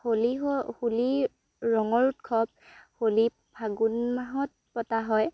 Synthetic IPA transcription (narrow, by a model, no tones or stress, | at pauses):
holihuli | ɹɔŋɔɹtkʰɔp̚holi | bʱaɡunmaɦɔt̚pɔtaɦɔj